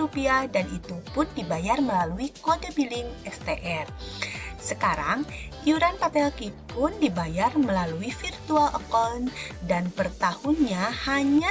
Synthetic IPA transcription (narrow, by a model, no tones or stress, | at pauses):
upiadanit̪upʊndibajarməlaluikodabilɪŋɛst̪eʔɛr | səkaɾaŋ | juɾanpat̪ɛlkipʊndibajarməlaluifirt̪ualʔə̰kɔndanpərt̪ahunɲahaɲa